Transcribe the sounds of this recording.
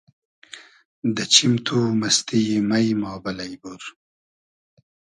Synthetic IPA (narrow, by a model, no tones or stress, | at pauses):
d̪ət͡ʃimt̪ʰumɐst̪imajmɑːbɐlajbuɾ